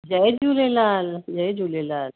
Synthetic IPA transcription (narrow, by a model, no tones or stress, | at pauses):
d͡ʒɐjd͡ʒuːlelaːld͡ʒɐjd͡ʒuːlelaːl